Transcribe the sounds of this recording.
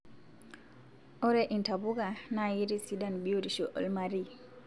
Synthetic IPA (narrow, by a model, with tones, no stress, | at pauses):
o˦ɾe˦ʔi˨nta˨bu˦ɡa˨naji˦ɾi˦si˦da˦nbio˦ɾi˨ʃo˨ʔo̰˨lmaɾi